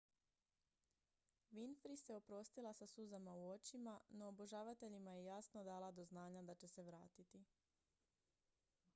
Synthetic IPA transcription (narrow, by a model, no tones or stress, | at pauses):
ʋinfɾisjeo̞pɾo̞st̪ilˠasasuzamauo̞t͡ʃimano̞ːboʒaːʋat̪e̞ʎimajejasno̞d̪aːlˠad̪o̞znaːɲad̪at͡ɕe̞se̞ʋɾaːt̪it̪i